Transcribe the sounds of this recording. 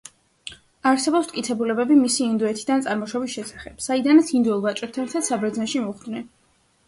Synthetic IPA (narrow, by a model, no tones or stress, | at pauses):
aɾsɛbɔpst̪̚ʼkʼit̪sʰɛbulɛbɛbimisiːnd̪uɛt̪ʰid̪ant̪sʼaɾmɔʃɔbisʃɛsḁχɛb̥said̪anat̪sind̪uɛlˠvat͡ʃʼɛɾ̚t̪ʰant̪ʰasabɾɛd̪znɛnʃimɔχd̪nɛn